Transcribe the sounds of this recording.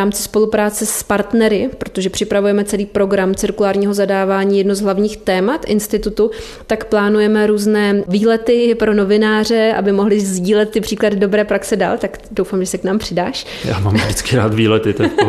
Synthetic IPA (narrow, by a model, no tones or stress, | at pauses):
aːmt͡sɪ̥spo̞lupɾaːt͡sɛspaɾt̪nɛɾɪppɾo̞t̪o̞ʒɛpr̥ɪpɾavujɛmɛt͡sɛliːpɾo̞ɡɾamt͡sɪɾkulaːɾɲiːɦozadaːvaːɲiːjɛdnozɦlavɲiːxt̪ɛːmat̪ʔɪnst̪ɪt̪ut̪u | t̪akplaːnujɛmɛɾuːznɛːviːlɛt̪ɪpɾo̞no̞vɪnaːr̝ɛʔa̰bɪmo̞ɦlɪzɟiːlɛt̪̚ːɪpr̥iːkladɪdo̞bɾɛːpɾaksɛda̰ːlt̪ak | dowfaːmʒɛsɛknaːmpr̥ɪdaːʃ | ja̰ːma̰ːmvdɪt͡skɪɾaːt̪viːlɛt̪ɪt̪ɛ